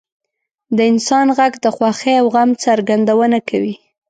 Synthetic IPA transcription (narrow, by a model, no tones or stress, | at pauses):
d̪əɪnsɑnɣaɡd̪əxwɑxeawɣamt͡saɾɡand̪awənakʰawi